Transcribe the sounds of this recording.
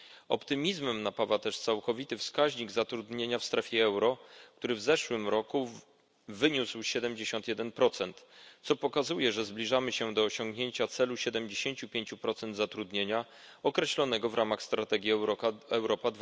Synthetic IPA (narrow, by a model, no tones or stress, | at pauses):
ɔ̰pt̪ɘmʲizmɛmnapavat̪ɛʂt̪sawkɔvʲit̪ɘfskaʑɲiɡzat̪ɾud̪ɲeɲafst̪ɾɛfʲjɛɛwɾɔk̚t̪uɾɘvzɛʂwɘmɾɔku | vɘɲuswɕɛd̪ɛmd͡ʑeɕɔnt̪jɛd̪ɛnpɾɔt̪sɛnt̪sɔpɔkazujɛʐɛzblʲiʐamɘɕɛd̪ɔːɕɔ̃ŋɡɲeɲt͡ɕat̪sɛluɕɛd̪ɛmd͡ʑeɕeɲt͡ɕupʲjeɲt͡ɕupɾɔt̪sɛnd̪zat̪ɾud̪ɲeɲa | ɔkɾɛɕlɔnɛɡɔvɾamaxst̪ɾat̪ɛɡʲjiɛɔɛwɾɔpad̪